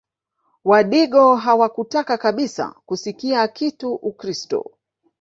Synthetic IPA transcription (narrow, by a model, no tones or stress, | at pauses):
waɗiɠɔɦawakutakakaɓisa̰kusikiakituʔukɾistɔ̰